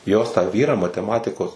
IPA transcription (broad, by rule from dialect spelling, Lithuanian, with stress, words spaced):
joːs tɑː ˈʋʲiːrɑː mɐtʲɛˈmɑːtʲɪkoːs